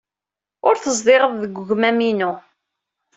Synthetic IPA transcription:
ʊɾθəzˤd̪ɪʁəððəɡʷʊʝmæminʊ

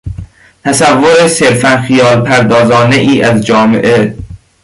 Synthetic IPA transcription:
t̪ʰæsævːoɾese̞ɾfænxijɒːlpʰæɾd̪ɒːzɒːne̞ʔiːʔæzd͡ʒɒːmḛʔe

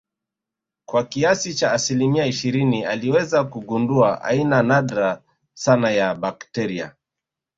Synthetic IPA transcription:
kwakiasit͡ʃaːsilimiaiʃiɾinialiwɛzakuɡunduaʔa̰inanaɗɾa | sanajabaktɛɾia̰

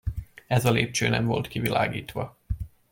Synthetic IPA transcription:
ɛzɒleːp̚t͡ʃøːnɛɱvo̞lt̪kivilaːɡiːt̪ʋɒ

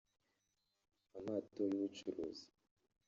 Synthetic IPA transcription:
amaːtojuwut͡ʃuɾo̰zi̥

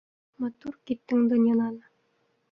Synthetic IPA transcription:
mɑt̪uɾkit̪ːɘŋd̪ɤ̆njɑnˠɑnɤ

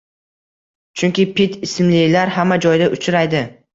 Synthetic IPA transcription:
t͡ʃʰʊŋkʲɪpɪt̪ʰɪsɪmlɪlaɾɦamːad͡ʒɒjd̪aʔʊt͡ʃʰɾajd̪ɪ

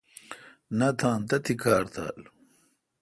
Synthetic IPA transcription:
nɐt̪ʰãːnt̪ɐt̪ʰikʰaːɾt̪ʰa̰ːl

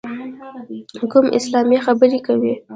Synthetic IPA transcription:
kʊmʔɪ̰slɑmjexabəɾikawi

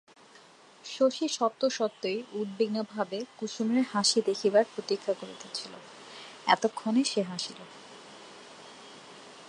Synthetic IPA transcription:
ʃoʃiʃɔt̪ːoʃɔt̪ːojud̪̚beɡnobʱabekuʃumeɾɦaʃid̪ekʰibaɾpɾot̪ikʰːakoɾḛt̪et͡ɕʰilo̰ | ɛ̰t̪okʰːoneʃeɦaʃilo

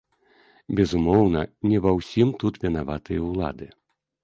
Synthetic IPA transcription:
bʲɛzumɔwnɐnʲɛvawsʲimt̪ut̪vʲɛnavat̪ɨjɐwlˠa̰d̪ɨ

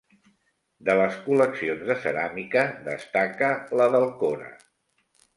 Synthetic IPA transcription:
d̪ələskuləksionzðəsəɾamikəðə̰st̪akələðəlˠkoɾə̰

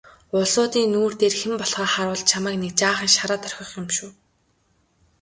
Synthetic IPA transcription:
ʊɮʊːt̪iːnːuːr̥t̪eːrxempɔɮχɔːχaɾʊːɮt̪t͡ɕʰamæːknek̚t͡ɕaːχə̆ŋʃaɾaːt̪ʰœr̥ʲxʲɞ̆χjɪmʃuː

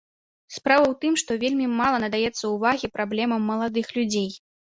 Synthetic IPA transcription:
spɾavɐwt̪ɨmʂt̪ɔvʲelʲmʲimalˠɐnɐd̪ajɛt̪sːɐuvaɣʲipɾablʲɛmɐmːɐlˠad̪ɨxlʲud͡zʲej

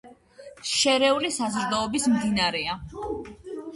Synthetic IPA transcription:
ʃɛɾɛulisazɾd̪aɔbismd̪inaɾɛa

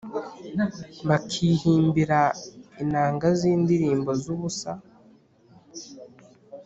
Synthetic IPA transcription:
βakʰiːhiːmbiɾainaːŋɡaziːnd̪iɾiːmbo̞zuβusa

